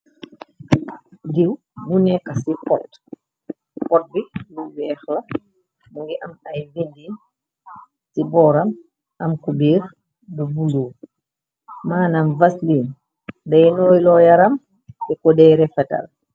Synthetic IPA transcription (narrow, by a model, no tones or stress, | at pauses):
diw | bunɛkːasipɔt | pɔt̚biluwɛːxla | muŋɡiʔɐmajvindin | sibɔːɾam | ʔɐmkubiːx | dubuluː | maːnamvasliːn | dɐjnɔːjlɔjaɾɐm | dɛkɔdɛːɾɛfɛtɐ̰l